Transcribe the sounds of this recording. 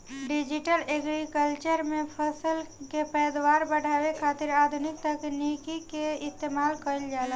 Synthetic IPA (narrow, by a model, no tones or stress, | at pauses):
ɖid͡ʒiʈəleɡɾikəlt͡ʃəɾmepʰəsəlkepəjd̪waɾbəɽ̤ʱawekʰat̪iɾad̪ʱunik̚t̪əknikikeist̪emalkəɪld͡ʒalə